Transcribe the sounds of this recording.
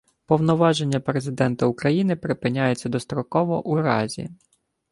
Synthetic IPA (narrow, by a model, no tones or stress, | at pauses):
pɔwnɔʋɑʒenʲːɐpɾe̞zɪd̪ɛnt̪ɐukɾɐjinɪpɾɪpɪnʲajet͡sʲːɐd̪ɔst̪ɾɔkɔʋɔʔuɾɑ̰zʲḭ